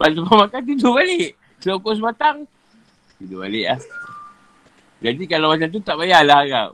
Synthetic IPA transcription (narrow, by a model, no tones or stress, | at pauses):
bant̪umamakant̪̬idobaleʔ | slokos̬bat̪aŋ | t̪idoba̰lɪʔlah | d͡ʒadikalawmat͡ʃamt̪ut̪aʔbajalahaka̰w